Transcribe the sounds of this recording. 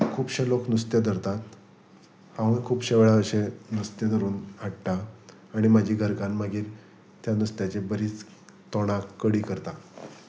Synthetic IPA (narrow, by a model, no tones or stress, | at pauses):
kʰuːbɕeloknust̪jad̪əɾt̪at̪ | hãĩkʰuːpɕeʋɭaəɕenust̪jad̪əɾuːnaʈʈaː | ɽ̃imad͡ʑʱiːɡʱəɾkanmaɡiːɾ | t̪janust̪jat͡ɕebəɾiːt͡s | t̪ɔɽ̃akəɽiːkəɾt̪a